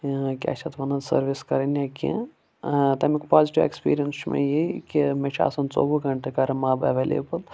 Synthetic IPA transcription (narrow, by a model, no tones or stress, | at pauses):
kʲa̰ːt͡ʃʰɐt̪ʋɐnɐsɐ̰ɾʋiskɐɾenjakḭ̃ | t̪ɐmikpaːziʈiʋḛkspḭːɾijənsmḛ̃jikimet͡ʃʰa̰ːsɐnt͡so̰ːbɐɡɐɳʈekɐɾɐmaːbeʋelḛːbəl